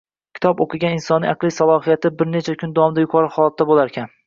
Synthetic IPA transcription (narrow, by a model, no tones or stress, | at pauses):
kʲʰɪ̥t̪ʰɒpoqʰɨɡʲanɪnsɒnːɪ̰ʔɑqlˠɪsalˠɒɦijat̪ʰɪbɪɾnet͡ʃʰakʲʰʊnd̪aɒmd̪ajʊkʰqʰɒɾɪχɒlˠat̪ːabolaɾkʲʰan